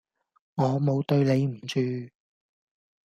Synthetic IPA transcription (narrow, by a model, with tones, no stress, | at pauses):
ŋɔː˨˧mo˨˧wt̪ɵ˧ɥne˨˧jm̩˨˩t͡ʃyː˧